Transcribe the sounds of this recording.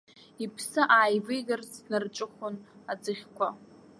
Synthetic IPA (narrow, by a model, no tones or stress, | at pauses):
ipʰsɨʔaːjvɨjɡarznɨrʈ͡ʂʷʼɨχʷʊnad͡zɨχʲkʷʰa